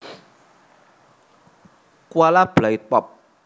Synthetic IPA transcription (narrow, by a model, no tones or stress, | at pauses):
kwalablajtɔp̚